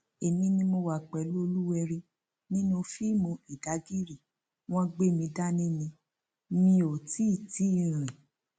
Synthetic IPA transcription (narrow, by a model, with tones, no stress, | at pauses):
e˨nĩ˧˦nĩ˧mo˧wa˨k͡pɛ˨lo˦˧lu˦ɛ˧ɾi˧ | nĩ˦nũ˧fi˦mũ˧i˨da˨˦ɡi˦ɾi˦˨ | w̃ɔ̃˦ɡ͡be˦˨mĩ˧da˦nĩ˦nĩ˧ | mĩ˧˦o˨ti˦i˦˨ti˨˦˨ɾ̃ĩ˨